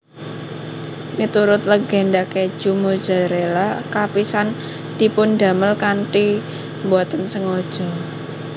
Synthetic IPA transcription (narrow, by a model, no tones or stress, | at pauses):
mit̪uɾʊt̪̚ləɡ̥ɛ̤nd̪ake̥ʒ̥umo̥d͡ʒ̥a̤ɾelakapisan | d̪̥i̤pʊnd̪a̤məlkanʈi | mbuat̪ənsəŋɔd̥ʒ̥ɔ̤